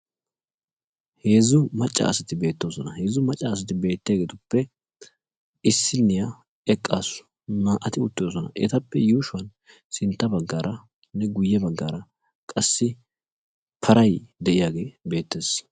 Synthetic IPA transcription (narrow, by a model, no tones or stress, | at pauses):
heːzʊmɐt͡ʃʼːa̰ːsɐt̪ɪbe̞ːt̪ːo̞ːsɔnɐhe̞ːzʊmɐt͡ʃʼːaːs̬ɐt̪ɪbe̞ːt̪ːɪjaɡeːt̪ʊpːɛ | ɪsːɪnːɪja | ɛkʼːaːsʊ̥ | naːʔɐt̪ɪʊt̪ːɪoːs̬ɔnɐ̰ʔɛ̰t̪ɐpːɛjuːʃʊɐn | sɪnt̪ːɐbɐɡːaːɾʔɐ | nːɛɡʊjːɛbɐɡːaːɾɐ | kʼɐsːɪ | pʰɐɾʔɐjd̪ɛʔɪjaːɡe̞ːbe̞ːt̪ːe̞ːs